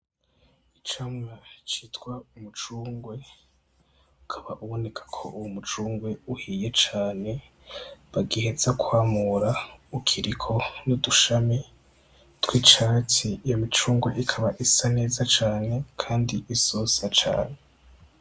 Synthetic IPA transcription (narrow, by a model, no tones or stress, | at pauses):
it͡ʃamŋat͡ʃiːtɡwaumut͡ʃuːŋɡwe̞ | ukʰaβaʔuβo̞ne̞kʰḁkʰo̞̰ʔuwumut͡ʃuːŋɡwe̞uhiːje̞t͡ʃaːne̞ | βaɡihezakʰwaːmuɾaukʰiɾikʰo̞nuduʃami | twiːt͡ʃatiːjomit͡ʃuːŋɡwe̞ʔikʰaβaʔisane̞ːzat͡ʃaːnekʰaːndiʔisosat͡ʃa̰ːne̞